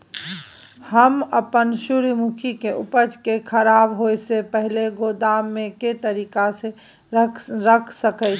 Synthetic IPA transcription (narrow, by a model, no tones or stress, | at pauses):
həməpənʃuɾimʊkʰikeʔʊpəd͡ʒkekʰəɾaːbɦoːesepɛɦleɡoːd̪aːmːẽket̪əɾiːkase | ɾəkʰsəkə